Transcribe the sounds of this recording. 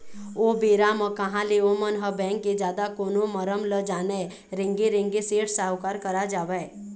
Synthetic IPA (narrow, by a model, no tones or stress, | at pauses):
obeːɾaməkəɦãleomənɦəbɛ̃ːŋkːed͡ʒjaːd̪akoːnõməɾəmləd͡ʒaːne | ɾẽŋɡeɾẽŋɡeseːʈsaːwkaːɾkəɾad͡ʒaːʋɛe